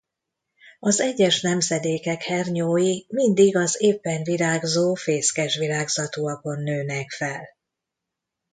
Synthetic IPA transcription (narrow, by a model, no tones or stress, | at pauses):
ɒzɛɟːɛʃnɛmzɛd̪eːkɛkhɛrɲoːjimind̪iɡɒzeːpːɛɱviɾaːɡzoːfeːskɛʃʋilaːɡzɒt̪uɒko̞nːøːnɛkfɛl